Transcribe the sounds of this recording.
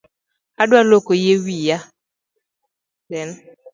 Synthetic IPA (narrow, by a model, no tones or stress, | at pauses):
adwalokojewija | dɛn